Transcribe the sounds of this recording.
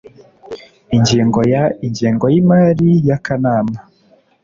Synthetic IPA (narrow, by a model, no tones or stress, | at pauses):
iɲɟiːŋɡo̞jaiɲɟiːŋɡojimaɾijakanaːma